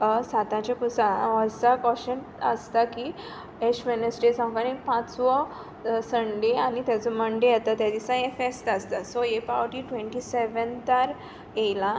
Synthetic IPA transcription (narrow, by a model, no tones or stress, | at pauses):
sat̪ãt͡ɕakusãəɾsakɔɕən | əst̪akiː | eʂmenesʈesãŋkanikpãt͡sʋɔ | səɳɖeañit̪jat͡sɔməɳɖeat̪at̪jad̪isãjefest̪əst̪asɔepaʋəʈiʈʋẽɳʈiseʋənt̪aɾ | ejlã